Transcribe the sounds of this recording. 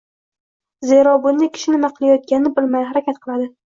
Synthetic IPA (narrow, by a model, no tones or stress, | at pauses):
zeɾɒbʊnːakʲʰɪ̥ʃɪnɪmaqʰɨlˠajɒt̪̚ɡʲanɪnɪbɪlmajhaɾakʲat̪̚qʰɨlˠad̪ɪ